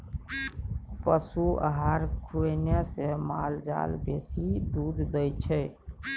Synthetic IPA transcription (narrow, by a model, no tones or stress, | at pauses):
pəsuə̰ɦaɾkʰunjasemald͡ʒa̰lbesid̪ud̪ʱd̪əjt͡ʃʰɛ